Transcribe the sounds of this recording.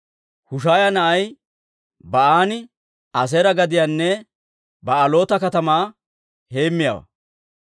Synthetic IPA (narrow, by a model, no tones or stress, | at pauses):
hʊʃaːjɐnɐʔɐj | bɐʔaːnɪ | ɐs̬eɾɐɡɐd̪ɪjaːnːɛ | bɐʔɐlo̞ːt̪ɐkɐt̪ɐmaː | he̞ːmːɪja̰ːwɐ̰